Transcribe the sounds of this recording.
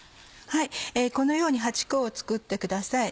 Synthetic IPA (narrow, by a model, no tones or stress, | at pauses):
haieːko̞no̞jo̞ːɲ̟iɦat͡ɕi̥koːt͡sɨ̥kɯ̟t̪ːe̞kɯ̟d̪asai